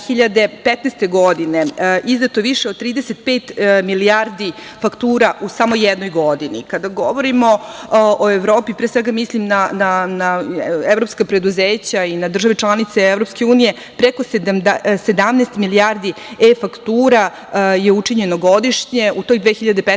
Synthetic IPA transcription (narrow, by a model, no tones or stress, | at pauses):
xiʎad̪e̞pet̪nest̪eɡo̞d̪ineʔiznat̪oʋiʃeod̪̚t̪ɾiːd̪eset̪̚peːt̪miliaɾd̪i | fakt̪uːɾaʔusamo̞jɛd̪nojɡo̞d̪inḭkad̪aɡoʋoɾimooeʋɾo̞ːpipɾesʋeɡamislimnananaeʋɾo̞pskapɾe̞d̪uzeːt͡ɕainad̪r̩ʒaʋe̞t͡ʃlˠanit̪seevɾopske̞uːnije̞ | pɾekosemsed̪amnest̪miliaɾd̪iefakt̪uːɾa | jeut͡ʂiɲenoɡo̞d̪iʃɲeut̪o̞ːjd̪ʋexiʎad̪e̞pe